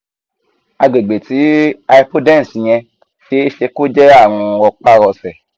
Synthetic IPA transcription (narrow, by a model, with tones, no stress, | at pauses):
a˧ɡ͡be˨ɡ͡be˨ti˨˦a˧i˧po˦dɛ̃˦˨si˨ɲ̃ɛ̃˧ | ʃe˦e˦ʃe˧ko˦d͡ʒɛ˦a˦˨w̃ɔ̃˧wɔ˧k͡pa˦ɾɔ˧sɛ˨